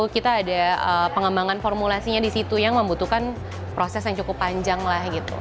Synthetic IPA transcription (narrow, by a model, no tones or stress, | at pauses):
kit̪aːdaəpəŋəmbaŋanfɔrmulasiɲadisit̪ujaŋməmbut̪ukan | pɾosɛsjaŋt͡ʃukʊpːaɲd͡ʒaŋlahɡit̪ṵ